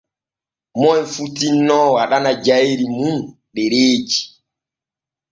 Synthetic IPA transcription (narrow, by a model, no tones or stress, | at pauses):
mɔjfutinːɔwaɗanad͡ʒaiɾimun | ɗɛɾeːd͡ʒi̥